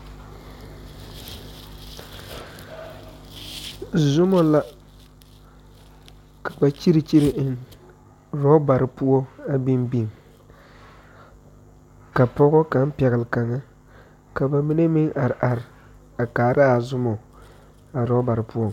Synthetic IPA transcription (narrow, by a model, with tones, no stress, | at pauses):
zʊ˦mɔ˦la˦ | kḁ˨ba˨t͡ʃi˦ɾi˨t͡ʃi˦ɾɪ˨ʔn | ɾɔ˦ba˨ɾɪ˨pu˦ɔ˦a˦bi˦mbi˦˨ŋ | ka˨pɔ˦ɣɔ˦ka˨˦n˦pɛ˨ɣɪ˨lɪ˨ka˨ŋːa˦ | ka˨ba˨mi˦ne˦mɪ˦ŋʔa˨ɾɪ˨ʔa˨ɾɪ˨ | a˨kaː˨ɾʔa˦a˨zʊ˦mɔ˨ | a˨ɾɔ˦ba˨ɾɪ˨pu˦ɔ˦˨